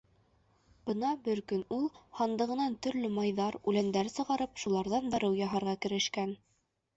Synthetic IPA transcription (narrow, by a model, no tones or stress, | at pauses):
b̥ɤnɑbɘɾkɵnulˠhɑnd̪ɤ̆ʁɤ̆nɑnt̪ɵ̆ɾlɘmɑjðɑɾʉlænd̪æɾsɤ̆ʁɑɾɤpʃulˠɑɾðɑnd̪ɑɾɤwjɑɦɑɾʁɑkɘ̆ɾɘ̆ʃkæn